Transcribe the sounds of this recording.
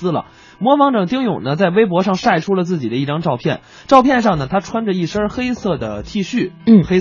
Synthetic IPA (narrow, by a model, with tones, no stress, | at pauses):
lə̰˨˩ | mwɔ˧˥fɑ˧˥ŋʈ͡ʂɤ˨˩ŋt̪i˥ŋjʊ˨˩ŋnə˦t͡sa˥˩ɪwe˥ɪp̬wɔ˧˥ʂɑ˥˧ŋʂa˥˩ɪʈ͡ʂʰu˥lə˨t͡sɹ̩˥˩t͡ɕḭ˨˩d̪ə˦i˥˩ʈ͡ʂɑ˥ŋʈ͡ʂɑ˥˧ʊpʰjɛ˥˩n | ʈ͡ʂɑ˥˧ʊpʰjɛ˥˧nʂɑ˥˩ŋnə˩t̪ʰa˥ʈ͡ʂʰwa˥nʈ͡ʂə˨˧i˥˩ʂə˥xe˥ɪsɤ˥˩d̪ə˩t̪ʰi˥˧ɕy˥˩xe˥